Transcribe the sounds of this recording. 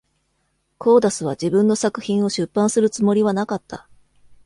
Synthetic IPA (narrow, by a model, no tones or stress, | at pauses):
kʰo̞ːd̪asɨβ̞ad͡ʑibɯ̟̃nːo̞sakɯ̟̥çĩɰ̃o̞ɕɨpːãɰ̃sɨɾɯ̟t͡sɨmo̞ɾʲiβanakat̪ːa